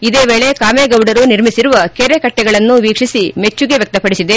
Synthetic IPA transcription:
id̪eːʋeːɭe̞kaːmeɡɐwɖɐɾuniɾmisiɾuʋɐkeɾekɐʈːɛɡɐɭɐnːuʋiːkʂisimet͡ʃːuɡe̞ʋjek̚t̪ɐpɐɽisid̪e̞

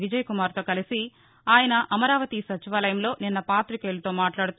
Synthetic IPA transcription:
ʋid͡ʒɐjɐkumaːɾt̪oːkɐlisi | aːjɐnɐʔɐmɐɾaːʋɐt̪isɐt͡ʃiʋaːlɐjɐmlo̞ːninːɐpaːt̪ɾikeːlut̪oːmaːʈlaːɽut̪

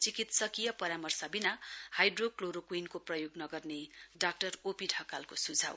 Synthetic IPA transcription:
t͡sikit̪sʌkijʌpʌɾamʌrsabinahajɖrokloɾokwinkoprʌjoɡnʌɡʌrneɖak̚ʈʌropiʈʰʌkalkosud͡zʱa̰w

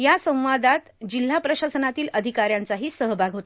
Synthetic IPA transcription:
jasə̃w̃ʋad̪at̪d͡ʑil̤ːapɾəɕasənat̪iːləd̪ʱikaɾjant͡saɦiːsəɦbʱaɡʱɦot̪a

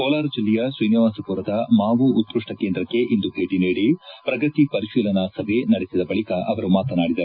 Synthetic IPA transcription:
koːlaːɾɐd͡ʒilːɛjɐsʋɐjniʋaːsɐpuɾɐd̪ɐmaːʋuːt̪ːɾuʂʈɐkend̪ɾɐkːe̞ʔind̪ubʱeːʈiniːɽipɾɐɡɐt̪ipɐɾiʃiːlɐnɐsɐbʱenɐɽesid̪ɐbɐɭikɐʔɐʋɐɾumaːt̪ɐnaːɽid̪ɐɾ

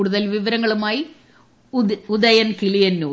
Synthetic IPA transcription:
uːɽuðɐlʋiʋɐɾɐŋːɐɭumaːji | ud̪ɐjɐnkiɭijɐnːoː

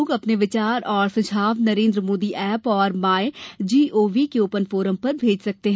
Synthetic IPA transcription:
ɡɐpneʋɪt͡ʃaːɾɔːɾsɐd͡ʒʱaːʋnɐɾẽːnd̪ɾəmoːd̪iʔɛːpɔːɾmaːed͡ʒiːʔoːʋikeoːpənfoːɾəmpɐɾbʱeːd͡ʒsɐk̚t̪eɦɛ̃

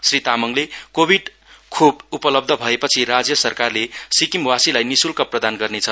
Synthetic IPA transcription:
srit̪amʌŋlekobʱiɖ | kʰubupʌlʌb̚d̪ʱʌbʱʌepʌt͡sʰirad͡zjʌsʌrkarlesikimwasilajnisulkaprʌd̪anɡʌrnet͡sʰʌ

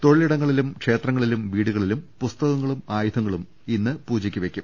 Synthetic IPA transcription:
t̪o̞ɻiliɽɐŋːɐɭilumkʂe̞ːt̪rɐŋːɐɭilumʋiːɽuɣɐɭilumpust̪ɐɣɐŋːɐɭumaːjud̪ʰʱɐŋːɐɭum | inːɨpuːd͡ʑikʲːuʋe̞kʲːum

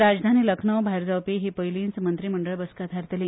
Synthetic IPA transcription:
ɾad͡zd̪ʱaniːləkʰɳəwbʱaeɾd͡zawpiːɦiːpəjliːnt͡smənt̪ɾiːməɳɖəɭbəskat̪aɾt̪eliː

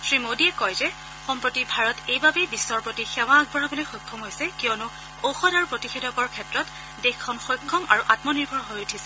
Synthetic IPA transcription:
sɹimodiɛkɔjzɛ | xɔmpɹotibʱaɹɔtejbabɛbisɔɹpotixɛwaɡ̚bɔɹabɔlojxɔjkʰːɔmɦojsɛkijɔnʊ | oxɔdaɹupɹotixedɔkɔɹkʰɛtɹɔt | dexʰɔnxɔjkʰːɔmʔaɹuʔatmɔniɹbʱɔɹɦojutʰisɛ̥

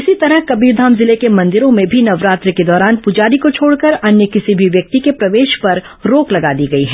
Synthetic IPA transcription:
ɪsit̪ɐɾəɦkɐbiːɾd̪ʱaːmzɪlekemɐ̃nd̪ɪɾõmẽbʱinɐʋɾaːt̪ɾəked̪ɔːɾaːnpʊd͡ʒaːɾikot͡ʃʰoːɽkɐɾɐnjəkɪsibʱiʋjɐk̚t̪ikepɾɐʋeːʃpɐɾ | ɾoːklɐɡaːd̪iɡɐiɦɛː

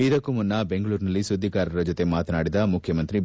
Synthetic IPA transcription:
id̪ɐkːumunːɐbeŋɡɐɭuːɾinɐlːisud̪ʱːikaːɾɐɾɐd͡ʒot̪e̞maːt̪ɐnaːɽid̪ɐmukʰjɐmɐnt̪ɾi

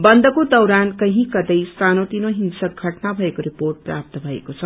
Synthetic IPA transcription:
bʌnd̪ʌkod̪ʌwɾankʌɦĩkʌd̪ʌjst̪ʰanot̪inoɦinsʌk̚ɡʱʌʈnabʱʌekoɾiporʈ̚prap̚t̪ʌbʱʌḛkot͡sʰʌ

